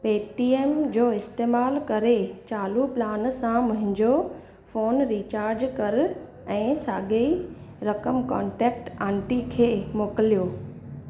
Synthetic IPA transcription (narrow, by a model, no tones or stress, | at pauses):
peːʈiːeːmd͡ʑoːɪst̪eːmaːlkɐɾet͡ɕaːluplaːnsãmʊ̃ɦɪ̃ɲd͡ʑo | foːnɾiːt͡ɕaːɾd͡ʑkɐɾ | ɛ̃ːsaːɠeiɾɐkəmkãːɳʈɛːk̚ʈãːɳʈikʰeːmoːkəlijoː